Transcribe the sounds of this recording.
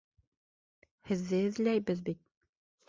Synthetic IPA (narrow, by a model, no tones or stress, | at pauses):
hɘ̆ðːɘɘ̆ðlæjbɘðbit̪̚